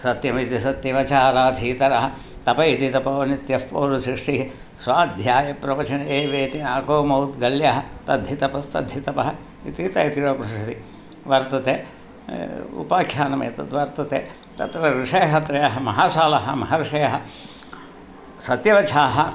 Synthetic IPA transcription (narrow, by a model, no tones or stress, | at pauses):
sɐt̪jɐmit̪isɐt̪jɐʋɐt͡ʃaːɾaːd̪ʱiːt̪ɐɾɐɦɐ̆ | t̪ɐpɐit̪it̪ɐpɐʋɐnit̪jɐfpoːɾusɾiʂʈiɦ | sʋaːd̪ʱjaːjɐpɾɐʋɐt͡ʃʰɐɳɐeːʋeːt̪inaːkoːmɐwt̪ɡɐljɐɦɐt̪ɐd̪ʱjit̪ɐpɐst̪ɐ̰d̪ʱjit̪ɐpɐɦɐ | it̪it̪ɐit̪ijoːpɾɐʂɐt̪i | ʋɐɾt̪ɐt̪eː | ṵpaːkʰjaːnɐmḛːt̪ɐt̪ʋɐɾt̪ɐt̪ḛː | t̪ɐt̪ɾɐɾɪʂɐjɐɦɐt̪ɾɐjɐɦɐmɐɦaːʃaːlɐɦɐmɐɦɐɾɪʂɐjɐɦɐ | sɐt̪jɐʋɐt͡ʃʰaːɦɐ